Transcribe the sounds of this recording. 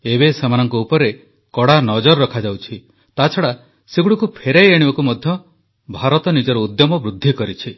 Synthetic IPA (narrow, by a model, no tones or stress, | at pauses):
ebesemanɔŋkɔupɔɾe | kɔɽanɔd͡ʒɔɾːɔkʰad͡ʒawt͡ʃʰi | t̪at͡ʃʰɔɽa | seɡuɽikupʰeɾejeɽ̃ibakumɔd̪ʱjɔ | bʱaɾɔt̪ɔnid͡ʒɔɾɔud̪jɔmɔbɾud̪ʱːikɔɾit͡ʃʰi